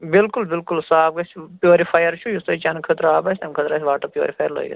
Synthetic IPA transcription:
bɪlkulbɪlkulsaːb̚ɡɐspjoːɾipʰaːjɐɾt͡ʃʰujust̪ɐt͡ʃɐnkʰət̪ɾɐaːbɐsʲt̪ɐmkʰət̪ɾaːsʲʋaːʈɐpjo̰ːɾipʰaːjɐɾlo̰ːj̰ɡɐ̰t̪

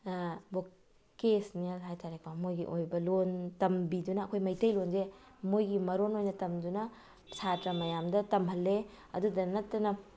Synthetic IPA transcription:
bo | kesnialɦajtaɾek̚amojɡḭʔojbɐlontɐmbidunɐːkʰojmɐjtɐjlonze | mojɡimɐɾonojnɐtɐmdunɐ | satɾɐmɐjamdɐtɐmɦɐlːe | ɐ̰dudɐnɐtːɐnɐ

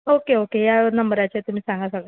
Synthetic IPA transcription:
okeokejanəmbəɾat͡ɕet̪um̤iːsãŋɡasəɡɭ

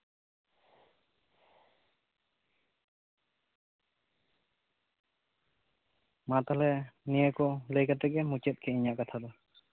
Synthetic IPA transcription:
mat̪alɛnijɛkɔlejkat̪ɛɡɛmut͡ʃɛt̪̚kʰɛiɲaʔkat̪ʰad̪ɔ

